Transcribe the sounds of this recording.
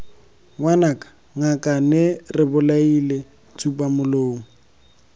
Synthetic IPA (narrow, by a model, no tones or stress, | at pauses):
wanakʼḁ | ŋakʼanɛrɪbʊlaile | t͡sʰupʼamʊloːŋ̩